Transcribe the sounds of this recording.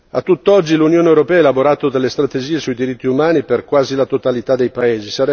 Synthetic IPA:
at̪ːut̪ːɔd͡ʒːilunjoːneewɾopɛːaelaboɾaːt̪od̪elːest̪ɾat̪ed͡ʒiːesuid̪iɾit̪ːiumaːniperkwaːzilat̪ot̪alit̪ad̪ːejpaeːzisaɾɛ

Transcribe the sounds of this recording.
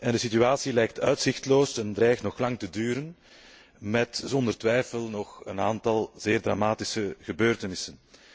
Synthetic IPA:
ɛndəsityaːsilɛjk̚tʰœɥtsɪxtloːsɛndrɛjxtnɔxlɑŋtədyːɾən | mɛtz̥ɔndərtʋɛjfəlˠnɔxənaːntɑlˠzeːrdra̰maːtɪsəɣəbøːrtənɪsən

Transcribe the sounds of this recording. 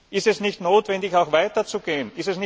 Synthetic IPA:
ʔɪstɛsnɪçtnoːtv̥ɛndɪçaʊxv̥aɪtɐt͡suɡeːənɪstɛsnɪ

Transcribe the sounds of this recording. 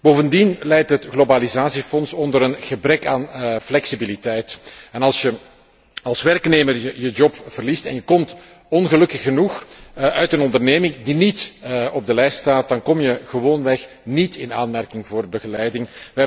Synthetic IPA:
b̥oːvəndinlɛjtɦətɣlobalizaːsifɔnsɔndəɾənɣəbɾɛkaːnflɛksibilitɛjtɛnɑlˠsjə | ɑlˠsʋɛrkneːmərəjəd͡ʒɔpv̥ərlistɛ̰njəkɔmt | ɔnɣəlɵkəxːənuxʔœɥtənɔndərneːmɪŋdinitɔb̚dəlɛjststaːt̚d̥ɑnkɔmjəɣəʋoːnʋɛx | nitɪna̰ːnmɛrkɪŋvoːrbəɣəlɛjdɪŋʋɛ

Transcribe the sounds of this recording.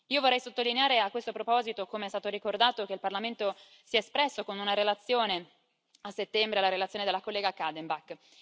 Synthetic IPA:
iːovorːɛjsot̪ːolineaːɾeakwest̪opɾopɔːzit̪okomeɛst̪aːt̪oɾikord̪aːt̪ok̟eilparlament̪o | siɛspɾɛsːokonunaɾelat̪sːjoːne | asːet̪ːɛmbɾelaɾelat̪sjoːned̪elakolːɛːɡakad̪embak

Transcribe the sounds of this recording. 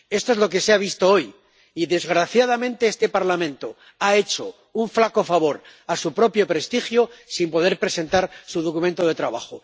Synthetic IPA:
e̞st̪oe̞zlo̞k̬e̞seaβ̞ist̪o̞o̞j | iðe̞zɣɾaθjað̞amẽ̞nt̪e̞est̪e̞paɾlamẽ̞nt̪o̞ | ae̞t͡ʃo̞̰ | uɱflako̞faβo̞ɾ | asupɾo̞pjo̞pɾe̞st̪ixjosimpo̞ðe̞ɾpɾe̞se̞nt̪aɾsuðokumẽnt̪o̞ð̞e̞t̪ɾaβ̞axo

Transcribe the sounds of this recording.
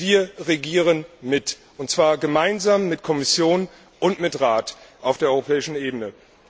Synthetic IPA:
viːɐʁeɡiːʁənmɪt | ʔʊntt͡sv̥aːɐɡəmaɪnzaːmːɪtkʰɔmɪsjoːn | ʔʊntmɪtʁaːtʔaʊfd̥eːɐɔʁopʰɛːɪʃn̩eːbənə

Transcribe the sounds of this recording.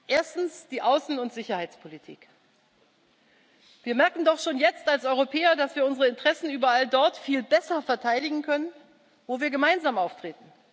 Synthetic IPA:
ʔeːɐstn̩sd̥iːʔaʊsn̩ʊntz̥ɪçɐhaɪt͡spʰolitʰḭːk | viːɐmɛɐkŋ̩dɔχʃoːnjɛt͡stalsʔɔʏʁopʰɛːɐdasv̥iːɐʊnzəʁəɪntʁ̥ɛsn̩yːbɐaldɔɐtfiːlbɛsɐfɛɐtʰaɪdɪɡŋ̩kʰœnən | voːviːɐɡəmaɪnzaːmaʊftʁ̥eːtn̩

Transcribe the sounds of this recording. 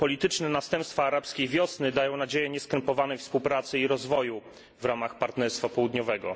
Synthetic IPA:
pɔlʲit̪ɘt͡ʂnɛnast̪ɛmpst̪faːɾapskʲejvʲjɔsnɘd̪ajɔ̃w̃nad͡ʑejɛɲɛskɛmpɔvanɛjfspuwpɾat̪sɘiɾɔzvɔju | vɾamaxpaɾt̪nɛɾst̪fapɔwud̪ɲɔvɛɡɔ̰

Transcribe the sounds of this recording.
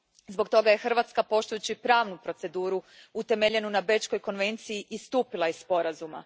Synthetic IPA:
zbo̞ɡt̪o̞ɡaje̞xr̩ʋat̪skapo̞ʃt̪ujut͡ɕipɾaːʋnupɾo̞t̪se̞d̪uːɾuut̪e̞me̞ʎe̞nunabe̞t͡ʃko̞jko̞nʋe̞nt̪sijiʔist̪uːpilˠaispo̞ɾazuma̰

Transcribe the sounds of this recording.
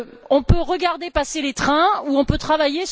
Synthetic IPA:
ɔ̃pøʁəɡaʁd̪epaselet̪χɛ̃uɔ̃pøt̪χavajes

